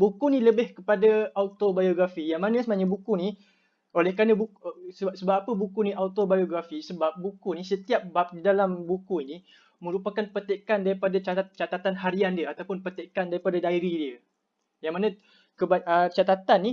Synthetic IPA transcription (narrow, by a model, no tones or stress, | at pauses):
bukunĩləbɪhkəpadaaut̪obajoɡɾafijaŋmanə̃səmnaɲabukuni | olɛhkanãbuksəasəbap̚apəbukuniawt̪obajoɡɾafisəbap̚bukunisət̪iap̚bap̚didalambukuini | mə̃ɾupakanpət̪eʔkandaɾipadat͡ʃat͡ʃat̪at̪anɦaɾiandiəat̪awpʊnpət̪eʔkandaɾipadadaiɾidiə | jaŋmanə̃ | kəbaət͡ʃat̪at̪anːi